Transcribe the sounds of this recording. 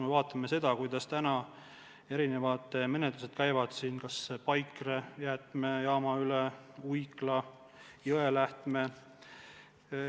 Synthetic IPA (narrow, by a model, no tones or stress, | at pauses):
mevɑːt̪ːˑɑmese̞d̪̥ɑkujd̪̥ɑst̪ænɑ | e̞ɾine̞vɑd̪̥me̞net̪luse̞d̪̥̚kæjvɑd̪̥siːnkɑspɑjkrejæːt̪ˑmejɑːmɑyleujklɑ | jøelæht̪me̞